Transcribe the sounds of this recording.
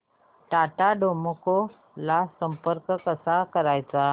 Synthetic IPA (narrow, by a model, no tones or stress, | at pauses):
ʈaʈaɖoməko | lasəmpəɾkkəsakəɾajt͡sa